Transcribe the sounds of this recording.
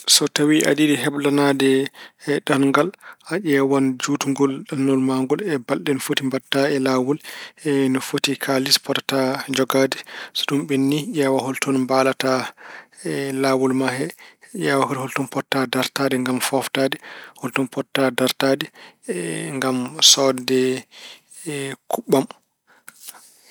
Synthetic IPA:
sɔtawiʔa̰didiɦɛblanadɛɗanŋɡalʔaʔɛwand͡ʒutuŋɡɔlɗanːɔlmaŋɡɔlɛbalɗɛnfotimbatːaɛlawulɛnɔfotikʰalispɔtḁtad͡ʒɔɡadɛsɔɗumɓenːijawaɦɔltɔnmbalata | laːwulmahɛjawahɔɾhɔltɔnpɔtːadaɾtaːdɛŋɡamfɔftadɛhɔltɔnpɔtːadaɾtadɛ | ŋɡamsɔdɛ | kʰuɓːam

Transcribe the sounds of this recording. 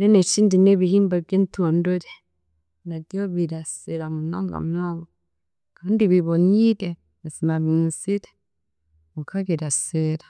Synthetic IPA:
ɾenet͡ʃiːndineβihiːmbaβjeːntuandoɾe | nadjoβiɾaseɾamuna̰ːŋɡa̰mnaːŋɡo | kaːndiβiβoniɾe | esimaβinsiɾe | mukaβiɾaseɾa

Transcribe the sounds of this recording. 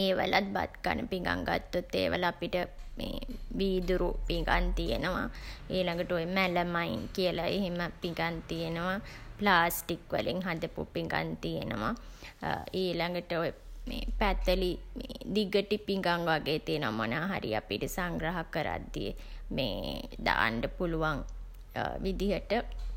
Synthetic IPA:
eːʋəlat̪̚ba̰t̪ka̰nə̰piŋɡa̰ŋɡa̰t̪ːut̪ːḛːʋə̰laapiʈəmḛːʋiːd̪uɾupiŋɡa̰nt̪ijḛnəʋaeːlaŋɡəʈəojəmæləmainkiəlaeɦeməpiŋɡant̪ijenəʋaplaːsʈikʋə̰liŋɦad̪əpṵpiŋɡa̰nt̪ijenəʋa̰ | eːlaŋɡəʈəojəmḛːpæt̪əlimeːd̪iɡəʈipiŋɡaŋʋaɡeːt̪ijenəʋamonaːɦa̰ɾḭa̰pḭʈəsaŋɡɾaɦakəɾa̰d̪ːijḛmḛːd̪a̰ːɳɖəpuluʋaŋ | ʋid̪iɦəʈə

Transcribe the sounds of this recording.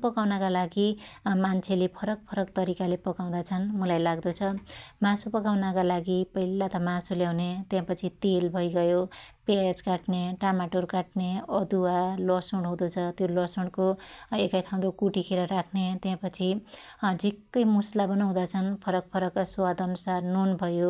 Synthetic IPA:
pʌkawnʌkalaɡimant͡sʰelepʰʌɾʌk̚pʰʌɾʌkt̪ʌɾikalepʌkaw̃d̪at͡sʰʌnmulajlaɡd̪ot͡sʰʌmãsupʌkawnakalaɡipʌilat̪ʌmãsuljawnet̪jãpʌt͡sʰit̪elbʱʌjɡʌjopeajad͡zkaʈneʈamaʈorkaʈneʌd̪uwalʌsoɳɽɦũd̪ot͡sʰʌt̪jolʌsuɳɽkoekajt̪ʰaw̃d̪okuʈikʰeɾʌɾakʰnet̪jãpʌt͡sʰi | d͡zikːʌjmuslabʌnoɦũd̪at͡sʰʌnpʰʌɾʌk̚pʰʌɾʌkːasowad̪ʌnusarnunbʱʌjo

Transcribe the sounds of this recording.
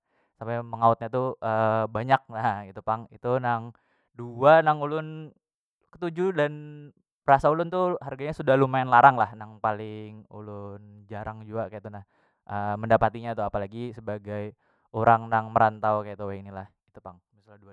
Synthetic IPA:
sampɛməŋaʊt̪̚ɲat̪uʔəbaɲak̚nahɡit̪upaŋit̪unaŋ | duanaŋulʊn | kə̥t̪ud͡ʒudan | pəɾasaulʊnt̪uharɡaɲasudahlumaɪnlaɾaŋlahnaŋpalɪŋṵlʊnd͡ʒaɾʔaŋd͡ʒuakajat̪unah | ʔəməndapat̪iɲat̪uapalaɡisəbaɡaj | oɾaŋnaŋməɾant̪awkajat̪uwainilahit̪upaŋmisaldua

